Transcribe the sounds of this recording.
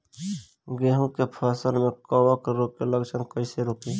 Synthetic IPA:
ɡeːɦũkepʰaːsəlmẽkəwakɾokkeləɡt͡ʃʰənkəɪseɾoːkiː

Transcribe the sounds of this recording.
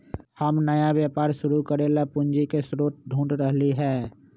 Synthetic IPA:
həmnəjabjaːpaːɾʃʊɾukəɾelapʊ̃nd͡ʒikesɾoːt̪̚ɖʱũːɳɖɾəɦliɦɛː

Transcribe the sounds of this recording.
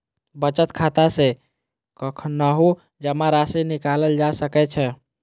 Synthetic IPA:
bət͡ʃət̪kʰat̪ase | kəkʰnːaɦo | d͡ʒəmãɾasinikaləld͡ʒasəkɛt͡ʃʰɛ

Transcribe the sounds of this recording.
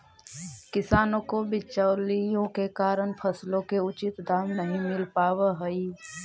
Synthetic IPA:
kɪsaːnõkobɪt͡ʃəʊlijõkekaːɾənpʰəslõkeʊt͡ʃɪt̪d̪aːmnɐɦĩmɪlpaːweɦəi

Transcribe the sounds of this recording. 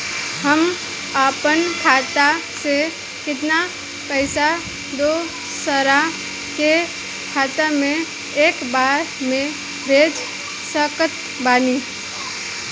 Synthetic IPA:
ɦəm | apənkʰaːt̪ase | kɪt̪̬na | pəɪsa | d̪o | səɾa | ke | kʰaːt̪amẽ | eːkbaːɾ | mẽ | bʱeːd͡ʒ | səkət̪ | baːni

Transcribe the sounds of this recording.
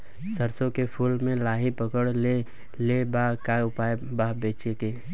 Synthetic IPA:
səɾsõkepʰuːlmẽlaːɦipəkəɽle | lebakaʊpaebabeːt͡ʃeke

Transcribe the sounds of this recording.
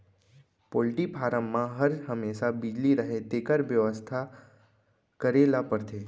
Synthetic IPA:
polʈipʰaɾəmːãɦəɾɦəmeʃabid͡ʒliɾəɦet̪ekəɾʋjəʋəst̪ʰa | kəɾelapəɾt̪ʰe

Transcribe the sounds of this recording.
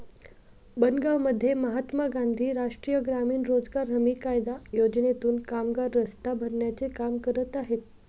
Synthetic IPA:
bənɡaʋməd̪ʱːjeməɦat̪maɡand̪ʱiːɾaʂʈɾiːjəɡɾamiːnɾod͡zɡaɾɦəmiːkajd̪ajod͡ʑnet̪uːnkamɡaɾːəst̪abʱəɾɳjat͡sekamkəɾət̪aɦet̪

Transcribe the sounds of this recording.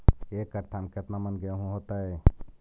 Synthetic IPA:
ekːəʈʰːamket̪namənɡəjaɦũɦot̪aɦe

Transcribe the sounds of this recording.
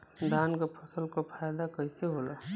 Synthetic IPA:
d̪ʱaːnkepʰɐsəlkopʰaːjd̪akəɪseɦoːla

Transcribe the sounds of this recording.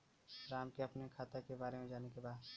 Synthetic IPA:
ɾaːmkeɐpnekʰaːt̪ekebaːɾemẽd͡ʒaːnekebaːd̪

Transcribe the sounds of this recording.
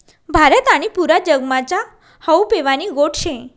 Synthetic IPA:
bʱaɾət̪aɽ̃ipuɾad͡ʑəɡmat͡ɕa | həwpeʋaniɡoʈʰɕẽ

